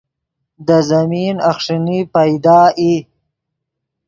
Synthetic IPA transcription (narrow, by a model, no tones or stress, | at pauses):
d̪əzaminaxʂinipajd̪ɑːʔi